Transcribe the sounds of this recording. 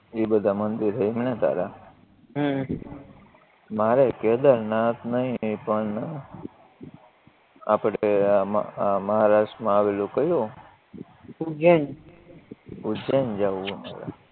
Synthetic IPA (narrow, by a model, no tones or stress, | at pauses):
ibəd̪ʱamənd̪iɾɦəimnet̪a̰ɾa | ɦ | maɾeked̪əɾnãt̪nəɦĩpəɳ | a̰pəɽem̰aməɦaɾaʂʈmãaʋelũkəjũ | d͡ʒən | ud͡ʒənd͡ʒaʋːũma̰ɾa̰